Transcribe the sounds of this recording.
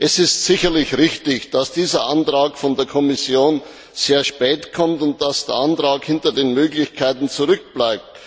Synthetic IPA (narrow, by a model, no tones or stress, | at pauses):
ʔɛsɪstsɪçɐlɪçʁɪçtɪçd̥asd̥iːzɐʔantʁaːkfɔndeːɐkʰɔmɪsjoːn | z̥eːɐʃpɛːtkʰɔmtʊnt̚d̥asd̥eːɐʔantʁaːkhɪntɐdeːnmøːɡlɪçkʰaɪtn̩t͡suʁʏk̚b̥laɪp̚t